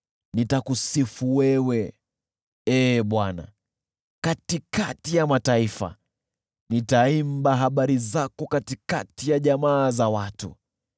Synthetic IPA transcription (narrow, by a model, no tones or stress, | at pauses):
nitakusifuwɛwɛ | ɛːɓwana̰ | katikatijamataifa̰ | nitaimbaɦaɓaɾizakɔkatika̰tijaʄamaːzawatṵ